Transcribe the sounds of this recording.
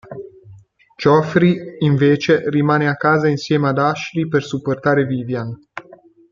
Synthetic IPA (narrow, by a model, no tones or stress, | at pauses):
t͡ʃofɾiɨnvet͡ʃe̞rimaneakazəɨnsjemad̪aʃɾipersuport̪aɾevivjan